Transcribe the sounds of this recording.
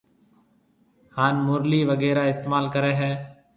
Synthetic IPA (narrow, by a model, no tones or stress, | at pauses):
haːnmʊːɾliːʋəɡɛːɾaːɪst̪eːmaːlkəɾɛːɦɛː